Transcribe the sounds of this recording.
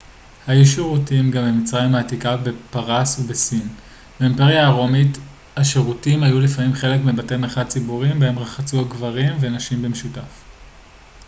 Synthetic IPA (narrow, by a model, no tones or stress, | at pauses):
hajuʃiʁutimɡambemit͡sʁajmhaːtikabe̞paʁasubesim | beempeʁjaːʁomit | haʃeʁutimhajulifamimχe̞lekmebatemeχad̚t͡sibuʁimbeemʁaχat͡suaɡvaʁimvenaʃimbemeʃutaf